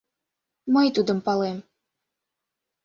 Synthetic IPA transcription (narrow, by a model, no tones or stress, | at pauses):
məjt̪ud̪əmpɑlem